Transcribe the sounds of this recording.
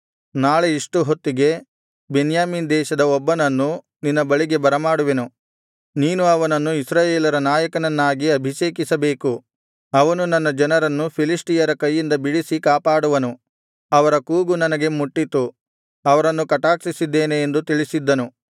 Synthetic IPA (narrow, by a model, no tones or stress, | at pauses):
naːɭe̞iʂʈuɦot̪ːiɡe̞ | benjaːmiːnd̪ɛːʃɐd̪ɐɔbːɐnɐnːu | ninːɐbɐɭiɡe̞bɐɾɐmaːɽuʋenu | niːnuɐʋɐnɐnːuisɾaːjeːlɐɾɐnaːjɐkɐnɐnːaːɡiɐbʱiʃeːkisɐbe̞ːku | ɐʋɐnunɐnːɐd͡ʒɐnɐɾɐnːupʰilisʈijɐɾɐkɐjːind̪ɐbiɽisikaːpaːɽuʋɐnu | ɐʋɐɾɐkuːɡunɐnɐɡe̞muʈːit̪u | ɐʋɐɾɐnːukɐʈaːksisid̪ːeːneːnd̪ut̪iɭisid̪ːɐnu